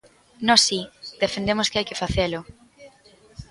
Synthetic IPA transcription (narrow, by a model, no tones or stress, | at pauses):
nɔsid̪efend̪emoskɪajkɪfaθelʊ